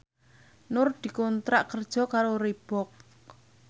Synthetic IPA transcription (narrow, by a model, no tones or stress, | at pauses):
nʊrd̪̥i̤kɔnt̪ɾaʔkərd̥ʒ̥ɔ̤kaɾoɾib̥ɔk̚